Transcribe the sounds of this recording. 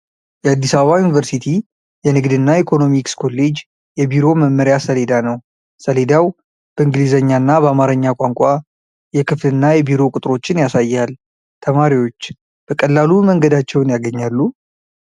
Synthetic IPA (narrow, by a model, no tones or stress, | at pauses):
jɛad̪ːisaβəβajunivəɾsit̪ʰi | jɛnɨɡd̪ɨnːaikʰo̞no̞mikskʰo̞lːe̞d͡ʒ | jɛbiɾo̞məmːəɾjasəle̞d̪anəw | səle̞d̪aw | b̥əɨŋɡlizəɲːanːabəamaɾəɲːakʷʼaŋkʷʼa | jɛkʰɨflɨnːajɛbiɾo̞kʼʊt̪ʼɾo̞t͡ʃːɪnjasajːal | t̪ʰəmaɾiwo̞t͡ʃː | b̥əkʼəlːaluməŋɡəd̪at͡ʃːɛwnjaɡəɲːalːu